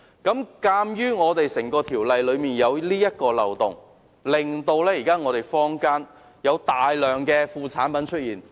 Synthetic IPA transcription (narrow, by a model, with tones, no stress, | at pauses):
kɐ˨˥mkaː˧mjyː˥ŋɔː˨˧t̪e˨jsɪ˨˩ŋkɔː˧t̪ʰiː˨˩wlɐ˨jlɵ˨˧ɥmiː˨˩njɐ˨˧wliː˥jɐ˥t̚kɔː˧lɐ̰˨wt̪ʊ̰˨˩ŋ | lɪ˨ŋt̪o˧wlɛː˥jiː˨˩kaː˥ŋɔː˨˧t̪e˨˩jfɔː˥ŋkaː˥n | jɐ˨˧wt̪aː˨jlœː˨ŋkɛː˧fuː˨˧t͡sʰaː˨˥npɐ˨˥nt͡ʃʰɵ˥t̚jiː˨˩n